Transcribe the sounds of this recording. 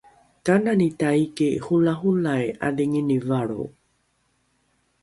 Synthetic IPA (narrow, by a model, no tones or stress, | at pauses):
kananitaikehulaɦulaea̰deŋinivaɾo̰w